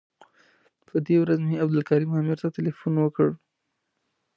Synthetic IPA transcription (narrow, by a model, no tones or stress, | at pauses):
pəd̪ewɾazmeabd̪ʊlkaɾimɑmiɾt̪at̪ɪlefunwəkəɽ